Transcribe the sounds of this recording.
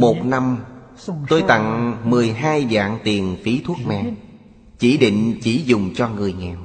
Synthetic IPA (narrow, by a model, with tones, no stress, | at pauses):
mo˨˩t̚na˧m | t̪o˧jt̪a̰˧˨ŋmɨ˨˩əjɦaː˧jɗa̰ː˧˨ŋt̪i˨˩ənfi˨˦t̪ʰu˦˥ək̚mɛ̰˧˨ | t͡ɕi˧˩ɗḭ˧˨ŋ̟t͡ɕi˧˩zʊ˨˩ŋ͡mt͡ɕɔ˧ŋɨ˨˩əjŋɛ˨˩w